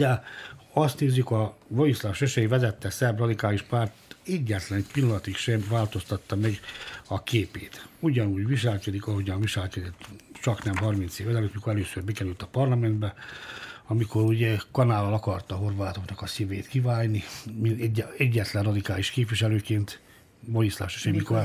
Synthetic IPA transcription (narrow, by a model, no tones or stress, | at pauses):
ɛɒst̪neːzːykɒvojislɒʃøʃɛjivɛzɛt̪ːɛsɛbrɒd̪ikaːliʃpaːrt̪ɛɟːɛt̪lɛnpilːɒlɒt̪ikʃɛmvaːlt̪o̞st̪ɒt̪ːɒmɛɡɒkeːpeːt̪uɟɒnuːɟʋiʃɛlkɛd̪ikɒɦo̞ɟɒnviʃɛlkɛd̪ɛt̪ːt͡ʃɒknɛmɦɒrmint̪seːvɛzɛløt̪mikoɾɛløːsørbɛkɛɾylt̪ɒpɒrlɒmɛnd̪bɛ | ɒmiko̞ɾuɟɛkɒnaːlɒlɒkɒrt̪ɒɦo̞rʋaːt̪o̞knɒkɒsiveːt̪kivaːjnimiɛɟːɛɛɟːɛt̪lɛnrɒd̪ikaːliʃkeːpʋiʃɛløːkeːnt̪ | ʋojislɒ̰fʃøʃɛjmikor